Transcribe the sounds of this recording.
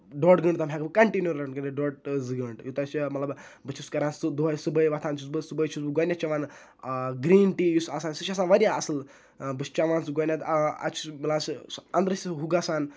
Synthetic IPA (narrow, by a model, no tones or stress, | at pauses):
ɖoːʈɡəɳɖt̪ɐmʲɦʲaːɡbɨkɐɳʈinjuɾɐɳkɐɳeɖoːʈzɨɡɐɳɖjut̪ɐsimɐt̪lɐbbɨt͡ʃʰuskɐɾaːnsɨd̪ɐjsɨbɐjʋɐt̪ʰaːnt͡ʃʰusbɨsɨbəjt͡ʃʰusbɨɡoːnʲat͡ʃɐʋaːn | ɡɾiːnʈiːjusɐsaːnsit͡ʃʰas̬aːnʋɐɾʲjaɐsɨl | bɨst͡ʃɐʋaːnsɨɡonʲat̪ɐ̰t͡ʃʰbɨlaːnsɐnd̪ɾɨsʲɦuɡasaːn